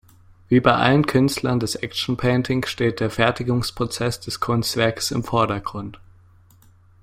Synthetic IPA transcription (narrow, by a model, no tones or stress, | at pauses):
viːbaɪʔa̰lənkʰʏnstlɐndɛsʔɛk̚ʃn̩pʰɛːntʰɪŋsʃteːt̚d̥eːɐfɛɐtɪɡʊŋspʁ̥ot͡sɛsd̥ɛskʰʊnstv̥ɛɐkə̥sɪ̰mfɔɐdɐɡʁʊnt